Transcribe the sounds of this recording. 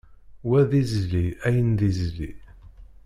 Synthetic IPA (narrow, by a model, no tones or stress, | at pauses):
wæðizliæjənðizlḭ